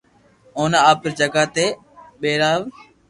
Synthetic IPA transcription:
oːnaaːp̚əɾd͡ʒəɡaːt̪eː | ɓeːɾaːʋ

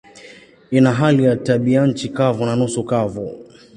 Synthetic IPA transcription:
inaɦalijataɓian̩t͡ʃikavunanusukavu

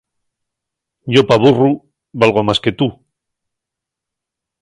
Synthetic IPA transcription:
ʝopaβuru | βalɣ̞omaske̞t̪u

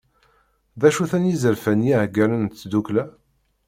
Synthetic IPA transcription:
ðæʃuθænjizəɾfænjiʕɡælənt̪ːd̪uklæ

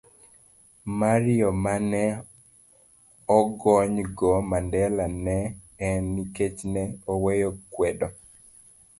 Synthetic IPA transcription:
maɾɪjɔmanɛ | ɔɡɔɲɡɔmandɛlanɛ | ɛnːiket͡ʃnɛowejokwɛdo

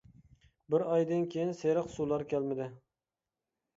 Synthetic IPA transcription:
bɪɾɑjd̪ɪnkʲʰejinseɾɨqsulˠɑɾkʲʰælmɪd̪ɪ

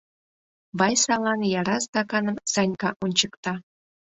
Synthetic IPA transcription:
βɑjsɑlˠɑnjɑɾɑsd̪ɑkɑnəmsɑnʲkɑʔunʲt͡ɕəkt̪ɑ

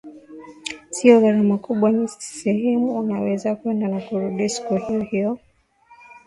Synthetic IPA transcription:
siɔɣaɾamakuɓwanisɛhɛmuunawɛzakwɛndanakuɾuɗisi̥kuhiɔhiɔ

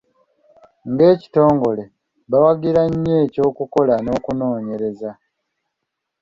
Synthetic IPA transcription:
ŋɡe̞ːci̥to̞ːŋɡo̞le̞ | βawaɡiɾaɲːe̞ːco̞ːkuko̞lano̞ːkuno̞ːɲe̞ɾe̞za

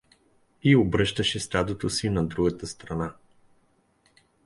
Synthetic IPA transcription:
iobɾɤʃt̪əʃɛst̪ad̪ot̪osinɐd̪ɾuɡət̪əst̪ɾɐna

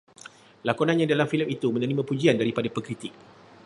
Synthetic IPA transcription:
lakɔnãnɲãdalamfiləmit̪umə̃nəɾimãpud͡ʒiandaɾipadapəkɾit̪ik̚

